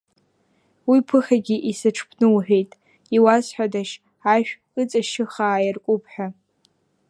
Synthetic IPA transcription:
wipʰɨχʲaɡʲiʔisɨʈ͡ʂʰpʰnɨwħᶣejtʼ | iwazħʷᶣadaʃ | aʃᶣ | ɨt͡sʼaʃɪχaːjɪrkʷʼʊpʰʼħʷᶣa

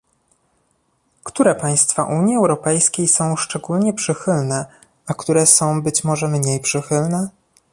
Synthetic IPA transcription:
kt̪uɾɛpaj̃st̪fa̰ʔuɲjiɛwɾɔpɛjskʲejsɔ̃w̃ʂt͡ʂɛɡulɲɛpʂɘxɘlnɛ | akt̪uɾɛsɔ̃w̃bɘt͡ɕmɔʐɛmɲejpʂɘxɘlnɛ

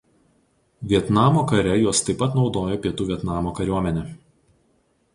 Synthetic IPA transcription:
ʋʲiɛt̪nɑːmoːkɐɾʲɛjuɔst̪ɐɪpɐt̪nɒʊd̪oːjoːpʲiɛt̪uːʋʲiɛt̪nɑːmoːkɐɾʲuɔmʲɛnʲɛ

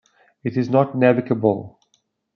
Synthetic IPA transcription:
ɪɾɪznətnævɪkəbəlˠ

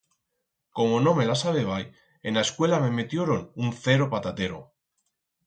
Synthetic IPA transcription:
ko̞mo̞no̞me̞lasaβeβ̞aj | enlaeskwe̞lame̞met̪jo̞ɾo̞nunθe̞ɾo̞pat̪at̪e̞ɾo̞̰

